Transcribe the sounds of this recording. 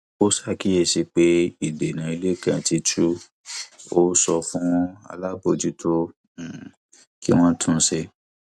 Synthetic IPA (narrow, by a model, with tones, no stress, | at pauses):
o˦sa˦˨ki˦e˦˨si˧k͡pe˦i˨de˨nã˨i˧le˦kã˨ti˧tʰu˦ | o˦sɔ˧fũ˦a̰˧la˦bo˧˨d͡ʒi˦tʰõ˦˨ | ki˦w̃ɔ̃˦tʰũ˦˨˧se˧